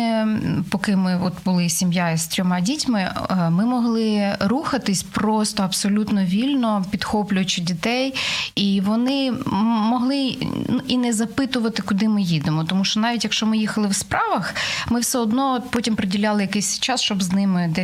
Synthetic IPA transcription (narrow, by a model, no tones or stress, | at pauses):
pɔkɪmɪɔt̪bʊlˠɪsʲimjaist̪ʲɾʲɔmɑdʲitʲmɪmɪmɔɦlˠɪɾuxɐt̪ɪsʲpɾɔst̪ɔɐpsɔlʲut̪nɔʋʲilʲnɔpʲid̪xɔplʲʊjɐt͡ʃɪdʲit̪ɛjiʋɔnɪmɔɦlˠɪnuʔinɛzɐpɪt̪ʊʋɐt̪ɪkʊd̪ɪmɪjid̪emɔt̪ɔmuʃt͡ʃɔnɑʋʲitʲjɐkʃt͡ʃɔmɪjixɐlˠɪwspɾɑʋɐxmɪwsɛɔd̪nɔɔt̪pɔtʲimpɾedʲilʲɑlˠɪjɐkɛsʲt͡ʃɑsʃt͡ʃɔbznɪmɪd̪ɛ